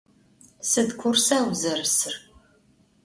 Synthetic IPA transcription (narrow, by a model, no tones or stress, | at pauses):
sɨdkʷʰʊrsaːwzɐrɨsɨr